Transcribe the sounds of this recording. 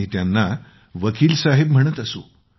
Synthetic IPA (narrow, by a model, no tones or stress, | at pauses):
it̪janːa | ʋəkiːlsaɦebm̤əɽ̃ət̪əso